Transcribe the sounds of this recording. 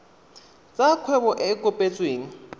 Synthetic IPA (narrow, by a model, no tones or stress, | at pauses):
t͡sʼakʰwɛbɔʔɛkʼʊpʼet͡sʼweːŋ̩